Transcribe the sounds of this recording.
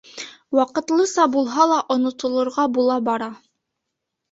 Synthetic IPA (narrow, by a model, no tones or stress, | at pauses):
wɑqɤ̆t̪lˠɤsɑbulˠɦɑlˠɑʔŏnŏt̪ŏlˠŏɾʁɑbulˠɑbɑɾɑ